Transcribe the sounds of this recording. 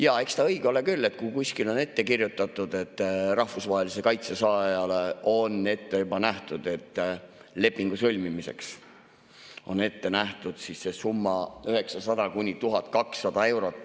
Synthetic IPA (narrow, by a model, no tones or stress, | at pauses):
jɑːe̞kst̪ɑɤjɡ̥eo̞le̞kylːe̞t̪̚kukusʲkilo̞ne̞t̪ːe̞kirjut̪ːˑɑt̪ːˑud̪̥e̞t̪ːˑɾɑhfusvɑːɦelise̞kɑjt̪sesɑːjɑleo̞ne̞t̪ːe̞jubɑnæht̪ud̪̥e̞t̪ː | le̞pːiŋɡ̥usɤlʲmimise̞̰ks | o̞̰ne̞t̪ːe̞næht̪ud̪̥sise̞sumːɑyɦe̞ksɑsɑd̪̥ɑkunʲit̪uɦɑt̪̚kɑksːɑd̪ɑe̞wɾo̞t̪ːˑ